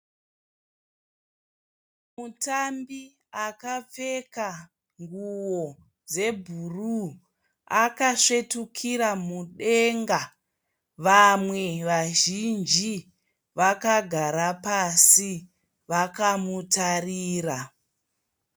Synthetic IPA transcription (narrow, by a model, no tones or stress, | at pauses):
mutambi | akap͡fe̞ka | ŋɡuwo | d͡ze̞bʱuru | akaʂe̞tukʰiɾamuɗe̞ŋɡa | ʋamwe̞ʋaʒind͡ʒi | ʋakaɡʱaɾapasi | ʋakamutariːra